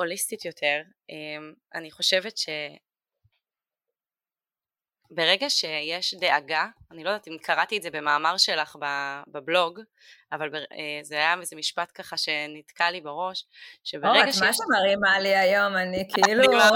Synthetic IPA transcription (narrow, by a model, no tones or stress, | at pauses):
olistitjo̞tʰe̞ʁ | em | a̰niχo̞ʃe̞vetʃe̞ | be̞ʁeɡaʃe̞jeʃde̞aɡaːnilod̪at̪imkʰaʁatietzebe̞maːmaʁʃelaχbabablo̞ɡ | avalbeezeajamezemiʃpatkaχaʃe̞nitkalibaʁo̞ʃʃebeʁeɡaʃmaʃemaʁimaliajo̞manikiilu